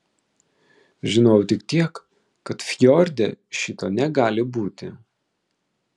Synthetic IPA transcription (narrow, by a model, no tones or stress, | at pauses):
ʒʲɪnoːjʊt̪ʲɪkt̪ʲiɛkː | ɐt̪fʲjɔɾʲd̪ʲɛ̰ʃʲɪt̪oːnʲɛɡɑːlʲɪbuːt̪ʲɪ